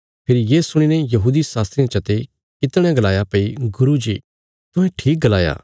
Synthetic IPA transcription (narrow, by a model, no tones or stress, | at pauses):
pʰɪɾijeːsʊɽ̃inɛjɐɦuːd̪isaːst̪ɾiãt͡ʃɐt̪e | kɪt̪ɽ̃ɛ̃ɡɐlaːjapeiɡʊɾud͡ʒḭː | t̪ʊɦɛ̃ʈʰiːk̚ɡɐlaːja̰ː